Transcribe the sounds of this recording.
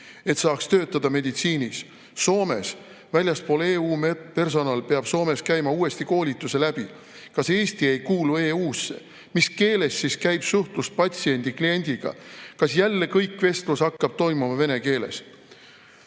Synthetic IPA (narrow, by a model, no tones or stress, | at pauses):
e̞t̪sɑːkst̪ø̞ːt̪ːˑɑd̪̥ɑme̞d̪it̪siːnis | so̞ːme̞̰s | vælʲjɑspo̞leːuːmpe̞rs̬o̞nɑlpe̞ɑb̥so̞ːme̞skæjmɑuːe̞st̪iko̞ːlʲit̪ːˑuse̞læb̥i | kɑse̞ːst̪ie̞jkuːlue̞ːuːsːḛ | miske̞ːle̞sːiskæjb̥suht̪lust̪̚pɑt̪sie̞nʲd̪̥iklie̞nʲd̪̥iɡ̥ɑ̰kɑsjælːe̞kɤjkːˑve̞st̪lusɑkːɑb̥̚t̪o̞jmumɑve̞ne̞ke̞ːle̞̰s